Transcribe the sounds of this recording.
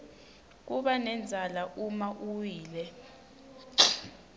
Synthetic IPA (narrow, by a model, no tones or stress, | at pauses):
k̬uɓanɛnd͡zʱalaʔumaʔuwiːlɛ